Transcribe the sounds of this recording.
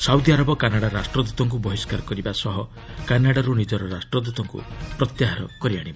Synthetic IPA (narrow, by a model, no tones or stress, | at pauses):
sawd̪iaɾɔbɔkanaɽaɾasʈɾɔd̪ut̪ɔŋk̬ubɔɦiskaɾkɔɾibasɔɦɔ | kanaɽaɾunid͡ʒɔɾɔɾasʈɾɔd̪ut̪ɔŋkṵpɾɔt̪jaɦaɾɔkɔɾiaɽ̃iba